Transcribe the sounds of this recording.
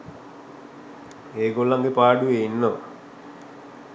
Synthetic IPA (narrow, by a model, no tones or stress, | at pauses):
eːɡolːaŋɡepaːɖuʋeinːo